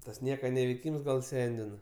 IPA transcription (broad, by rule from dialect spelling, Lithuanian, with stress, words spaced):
tɐs ˈnʲiɛkɐ nʲɛʋʲɛɪˈkʲiːms ɡɐlˠ ˈsʲɛnʲdʲɪnɐ